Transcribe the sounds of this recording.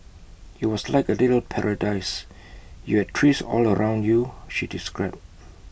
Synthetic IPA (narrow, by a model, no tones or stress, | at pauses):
iwɔslaɪkəliɾl̩pʰɛɹədaɪs | juhɛd̚tʰɹisɔ̰ləɹʔãʊ̃ndjuʃidiskɹaɪb̚